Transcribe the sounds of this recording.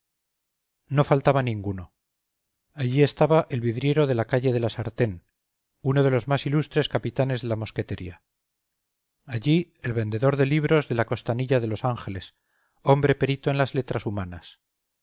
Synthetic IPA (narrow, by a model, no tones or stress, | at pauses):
no̞falt̪aβanĩŋɡuno̞ | aʎie̞st̪aβaʔe̞lβiðɾje̞ɾo̞ðe̞lakaʎe̞ð̞e̞lasaɾt̪e̞n | uno̞ð̞e̞lo̞zmasilust̪ɾe̞skapit̪ane̞zðe̞lamo̞ske̞t̪eɾia | ʎi | e̞lβe̞nd̪eðo̞ɾðe̞liβɾo̞zðe̞lako̞st̪aniʎaðe̞lo̞saŋxe̞le̞s | o̞mbɾe̞pe̞ɾit̪oe̞nlazle̞t̪ɾasumanas